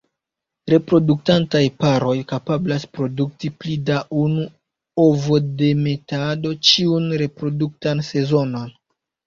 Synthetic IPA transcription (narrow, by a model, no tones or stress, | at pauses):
ɾe̞pɾo̞duk̚tantajpaɾo̞jkapablaspɾo̞duk̚tiplidaʔunu | o̞vode̞me̞tado̞t͡ʃiunɾe̞pɾo̞duk̚tanse̞zo̞no̞n